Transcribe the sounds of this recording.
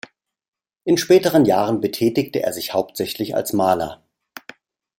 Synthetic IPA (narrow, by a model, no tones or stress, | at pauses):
ʔɪnʃpɛːtəʁ̞ənjaːʁənbətʰɛːtɪktəʔeːɐzɪçhaʊp̚tz̥ɛçlɪça̰lsmaːlɐ̰